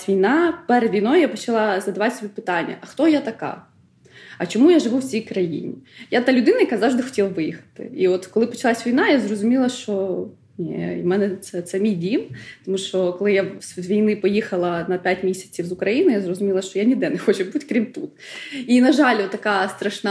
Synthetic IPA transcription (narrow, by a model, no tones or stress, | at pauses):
ʋʲijnɑpɛɾɛd̪ʋʲijnojjapɔt͡ʃɐlˠɑzɐd̪ɐʋɑt̪ʲsʲɔbʲipɪt̪ɑnʲːɐ̰ʔɐxt̪ɔjat̪ɐkɑ̰ | ɐt͡ʃɔmujaʒɪʋuwt͡sʲijkɾɐjḭnʲḭjat̪alʲʊd̪ɪnɐjɐkazɑvʐʒd̪ɪxɔ̥tʲilˠɐʋɪjixɐ̥t̪ɪ̰iɔt̪kɔlˠɪpɔt͡ʃɐlˠasʲʋʲijn̪ajazrɔzʊmʲilˠɐʃt͡ʃɔ | nʲḛḭmɛnɛt̪sɛt̪sɛmʲijdʲimt̪ɔmuʃt͡ʃɔkɔlˠɪjasʋʲijnɪpɔjixɐlˠɐnɐpʲatʲmʲisʲɐ̥t͡sʲiwzʊkɾɐjinʊɪjazrɔzʊmʲilˠɐʃt͡ʃɔjanʲid̪ɛnɛxɔt͡ʃɛbutʲkɾʲimt̪ut̪ | inɐʒɑlʲɔt̪ːɐkɑst̪ɾɐʃnɑ